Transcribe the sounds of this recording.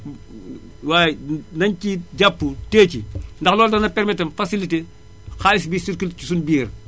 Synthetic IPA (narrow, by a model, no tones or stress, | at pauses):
waːjnɐɲciɟapːuteːcindɐxlɔːldɐnɐpɛɾmitːɐmfɐsilite | xaːisbiːsiɾkulcisunbiːr